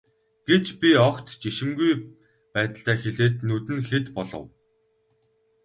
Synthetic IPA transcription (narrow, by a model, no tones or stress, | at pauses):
ɡ̥et͡ɕpʲiɔkt̪t͡ɕiʃɪ̆mɡuj | pæːt̪ə̆ɬt̪æːxeɮeːt̪nɵt̪ɘ̆nxet̪pɔɮɞ̰̆w